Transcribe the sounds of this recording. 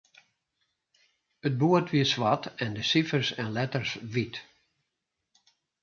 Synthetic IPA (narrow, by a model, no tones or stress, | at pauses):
ət̚buətʋiəsʋatɛndəsifərsɛnlɛtərsʋit